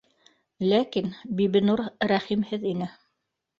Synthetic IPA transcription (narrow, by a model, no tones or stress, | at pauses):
lækinbiβɘ̆nuɾɾæχimhɘðinɘ